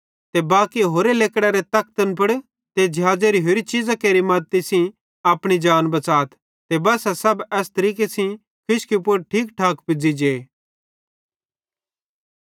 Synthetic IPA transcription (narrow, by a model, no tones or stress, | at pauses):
t̪ebaːkiɦoːɾeleːkɽaɾet̪ɐk̚t̪ənpɐɽ | t̪ed͡ʒʱjaːd͡ʒeɾiɦoːɾit͡ʃɪd͡zakeːɾimɐd̪̚t̪ːisĩ | ɐːpɽ̃id͡ʒaːnbɐt͡saːt̪ʰ | t̪ebɐsasɐbɛːst̪ɐɾiːkesĩ | kʰɪʃkipʊɾʈʰiːkʈʰaːkpɪd͡zid͡ʒeː